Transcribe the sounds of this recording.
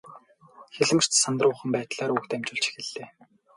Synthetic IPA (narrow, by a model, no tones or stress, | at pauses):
xeɮɘ̆m̆r̥t͡ɕ̪sant̪rʊːχə̆mpæːt̪ɮaːɾuːkt̪æmt͡ɕʊːɮt͡ɕi̥xɘ̆ɮːeː